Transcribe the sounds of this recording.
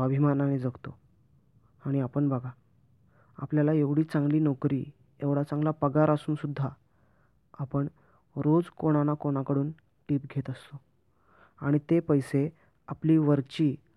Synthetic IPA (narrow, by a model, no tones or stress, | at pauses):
əbʱimananed͡zəɡt̪o | aɽ̃iapəɳbaɡʱa | a̰pljalaeʋɽiːt͡sãŋɡliːnɔkɾḭː | eʋɽ̤at͡sãŋɡlapəɡaɾasuːnsud̪ʱːa | apəɳ | ɾod͡zkoɽ̃anakoɽ̃akəɽuːn | ʈiːpɡʱet̪əst̪o | aɽ̃it̪epəjse | apliːʋəɾt͡ɕiː